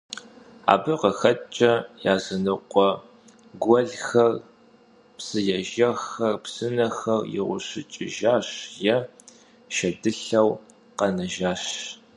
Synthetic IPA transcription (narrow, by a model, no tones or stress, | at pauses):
a̰ːbɨqəxɐt͡ʃʼɐjaːzɐnɨqʷʼɔ | ɡʷɔɮxɐr | psɨjɛʒɐxɐrpsɨnɐxɐrjɪ̰ʁʷʊ̰ɕɪt͡ʃʼɪ̰ʒaːɕjɛ | ʃɐdɨɬɐw | qɐnɐʒaːɕ